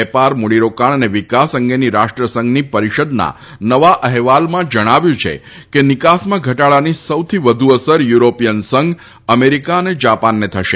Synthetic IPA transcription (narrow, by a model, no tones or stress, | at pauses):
ɛpaɾmuɽiɾokaɳ̃əneʋikasəŋɡeniɾaʃʈɾəsəŋɡnipəɾiʃəd̪na̰ | nəʋaʔəɦʋalmãd͡ʒəɽ̃aʋjũt͡ʃʰḛ | kenɪkasmãɡʱəʈaɭanisəwt̪ʰiʋəd̪ʱuəsəɾjuɾopijənsəŋɡ | əmeɾikaəned͡ʒapanːet̪ʰəʃe